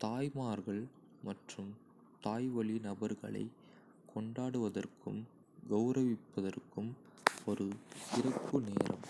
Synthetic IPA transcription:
t̪aːjmaːɾɣɐɭ | mɐʈrɯm | t̪aːjʋɐɭinɐbɐɾɣɐ̰ɭɐ̰ɪ | kʰːɔɳɖaːɽɯʋɐðɐrkɯm | ɡɐʊɾɐʋɪpːɐðɐrkɯm | ɔɾɯɪrɐpːɯneːɾʔɐ̰m

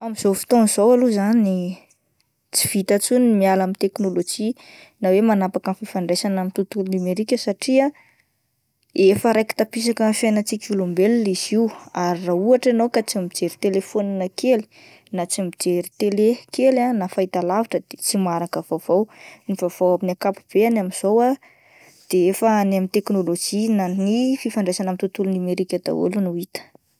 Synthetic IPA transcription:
amiz̥ofi̥t̪onz̥owaluzani | t͡si̥v̥it̪at͡sunimialamit̪eknolod͡ʒinawemanapakənfifaɳɖ͡ʐesanamit̪ut̪uklimeɾikʲəsaʈ͡ʂia | efəɾajki̥t̪apis̬akənfjajnat͡sikʲulombeliliziwaɾirauaʈ͡ʂanowkat͡simid͡ʒeɾit̪elefonanəkʰeli̥ | nat͡simid͡ʒeɾit̪elekelanafait̪alavaʈ͡ʂəd̪̥et͡simaɾakəv̥avownivav̥owaminakapub̥eanamiz̥owa | d̪̥eefəanamint̪eknolod͡ʒinanififaɳɖ͡ʐesanamit̪ut̪ulunameɾikʲad̪̥a̰o̰lunuit̪ə̥

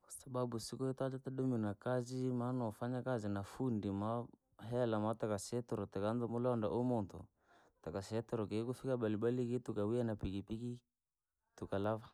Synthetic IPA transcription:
kasababusikɔitad͡ʒat̪aɗuminakazimanɔfaɲakazinafundima | ɦɛlamatakasɛtɔɾɔtakandɔmɔlɔɔnda̰ʔomɔntɔ̰ | takasɛtɔɾɔkekufikaɓaliɓalikitukawianapikipiki | tukalava

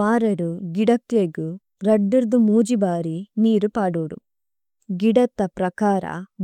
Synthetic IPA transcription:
aːɾɐɾuɡiɽɐkt̪ːjɐɡu | ɾɐɖːiɾd̪umuːd͡ʒibaːɾiniːɾupaːɽuːɽṵ | ɡiɽɐt̪ːɐpɾɐkaːɾɐ̰

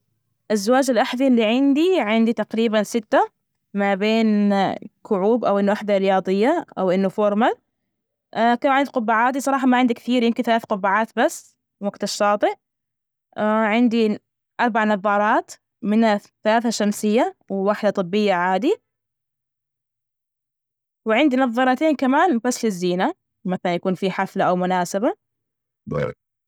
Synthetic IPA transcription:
ʔɪzːawaːd͡ʒalʔaħðilːiʕɪnd̪iʕɪnd̪it̪aqɾiːbansɪt̪ːa | mabeːnkʊʕuːbʔawʔɪnːuʔaħd̪aɾɪjɑːðˤɨjːaʔawʔɪnːʊfoɾˤmal | kanʕɪnd̪iqʊbːaʕaːd̪isˤɑɾˤɑːħɑmaʕɪnd̪ikθiːɾjɪmkɪnθalaːθqʊbːaʕaːt̪basː | waɡt̪aʃːɑːt̪ˤɨʔ | ʕɪnd̪i | ʔɑɾˤbaʕnɑðˤːɑːɾˤɑːt̪ | mɪna | θalaːθaʃamsɪjːawɪwaħd̪at̪ˤɨbːɪjːaʕaːd̪i | wɪʕɪnd̪inɑðˤːɑːɾˤɑːt̪eːnkamaːnbasːlɪzːiːna | maθalanjakuːnfiːħaflaʔawmʊnaːsɪba | b̰ɾ̰

